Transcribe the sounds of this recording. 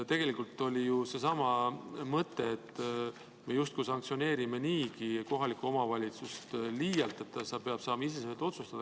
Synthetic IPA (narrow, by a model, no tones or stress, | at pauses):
t̪e̞ɡ̥e̞likult̪ːˑo̞lʲijuse̞sɑmɑmɤt̪ːe̞ːt̪ː | me̞just̪̚kujsɑŋk̚tsione̞ːɾime̞niːkiko̞ɦɑlikːˑuo̞mɑvɑlʲit̪sust̪liːjɑlt̪ˑet̪ːɑsɑpeɑb̥sɑːmɑis̬eseet̪o̞t̪sust̪ɑd̥̪ɑ